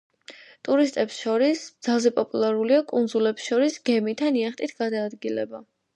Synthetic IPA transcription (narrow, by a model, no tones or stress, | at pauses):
t̪ʼuɾist̪ʼɛpsʃɔɾisb̥d̪z̥alˠzɛpʼɔpʼulˠaɾuliakʼunzulɛpsʃɔɾisɡɛmit̪ʰaniaχt̪ʼit̪ʰɡ̥ad̪aːd̪ɡilɛ̰ba